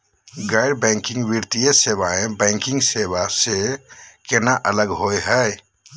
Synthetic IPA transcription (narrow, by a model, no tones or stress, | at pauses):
ɡajɖbɛ̃ŋkĩŋɡbiɾt̪ijəsebaẽbɛ̃ŋkĩŋɡseβasekenaʔələɡɦojɦəj